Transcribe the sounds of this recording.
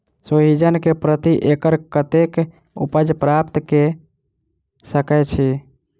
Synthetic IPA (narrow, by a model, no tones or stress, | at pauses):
soɦid͡ʒənkepɾət̪iʔekəɾkət̪ek | ṵpəd͡ʒpɾapt̪ke | səkɛt͡ʃʰi